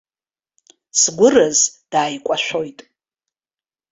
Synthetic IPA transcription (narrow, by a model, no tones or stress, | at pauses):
sɡʷʊrazd̥aːjkʷʼaʃʷᶣo̞jtʼ